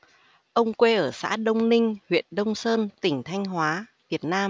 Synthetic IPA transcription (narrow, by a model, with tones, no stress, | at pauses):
ʔə˧wŋ͡mkwe˧ʔəː˧˩sa̰ː˧˥ɗə˧wŋ͡mnï˧ŋ̟hwḭ˧˨ənɗə˧wŋ͡msəː˧nt̪ï˧˩ŋ̟t̪ʰa˧jŋ̟ɦwaː˨˦vi˨˩ət̚naː˧m